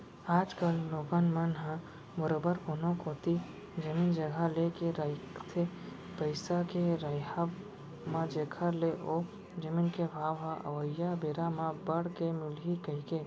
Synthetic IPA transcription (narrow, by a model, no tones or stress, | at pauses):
aːd͡ʒkəlːoːɡənmənɦã | bəɾobəɾkonõkoːt̪i | d͡ʒəmiːnd͡ʒəɡʱalekeɾəɪkt̪ʰe | pəɪsakeɾəjɦa | mãd͡ʒeːkʰəɾleʔo | d͡ʒəminkebʱaːʋɦãʔə̰ʋəjabeːɾamãbəɽkemʊlɦikəɦike